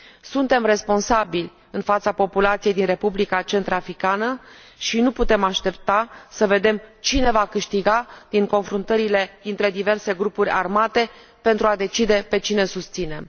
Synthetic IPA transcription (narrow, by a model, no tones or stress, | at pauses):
sunt̪e̞mre̞spo̞nsabilʲ | ɨnfat̪sapo̞pulat̪sije̞jd̪inre̞publikat͡ʃe̞nt̪ɾafɾikanə | ʃinuput̪e̞maʃt̪e̞p̚t̪asəve̞d̪e̞mt͡ʃine̞vakɨʃt̪iɡad̪̥iŋko̞nfɾunt̪əɾile̞d̪int̪ɾe̞d̪ive̞rse̞ɡɾupuɾʲa̰rmat̪e̞ | pent̪ɾuad̪e̞t͡ʃid̪e̞pe̞t͡ʃinesust̪sine̞m